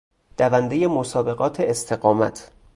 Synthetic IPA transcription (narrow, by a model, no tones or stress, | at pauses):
d̪̥ævænd̪eje̞mosɒːbe̞ɣɒːt̪ʰeːst̪ʰe̞ɢɒːmæ̰t̪ʰ